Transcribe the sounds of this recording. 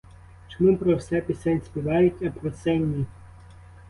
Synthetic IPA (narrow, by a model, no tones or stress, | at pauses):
t͡ʃemupɾɔwsɛpʲisɛnʲsʲpʲiʋɑjʊtʲɐpɾɔsɛnʲːi